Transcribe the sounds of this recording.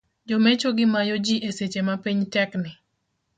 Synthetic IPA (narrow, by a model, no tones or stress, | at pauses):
d͡ʒɔmɛt͡ʃoɡɪmajod͡ʒiʔeset͡ʃemapiɲtɛknɪ